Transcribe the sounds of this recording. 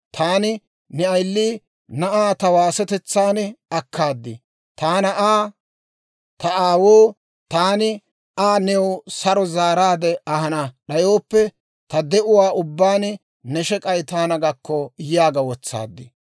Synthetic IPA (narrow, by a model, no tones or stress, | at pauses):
t̪ʰaːnɪ | nɛɐjlːiː | nɐʔaːt̪ɐwaːsɛt̪ɛt͡sːaːnɐkːaːd̪ːɪ | t̪aːnɐʔaː | t̪ɐaːwoː | t̪aːnɪ | aːnɛwsɐɾɔzaːɾaːd̪ɛɐhɐnɐɗɐjoːpːɛ | t̪ɐd̪ɛʔʊwaːʔʊbːaːn | nɛʃɛkʼɐjt̪aːnɐɡɐkːɔjɪjaːɡɐwɔt͡sːa̰ːd̪ːɪ